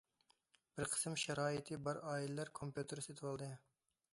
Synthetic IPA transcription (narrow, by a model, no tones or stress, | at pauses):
b̥ɪɾqʰə̥smʃɑɾɑːit̪ʰɨbɑɾɑːilɪlæɾkʰompjut̪ʰɨɾɨset̪ʰɪwɑlˠd̪ɨ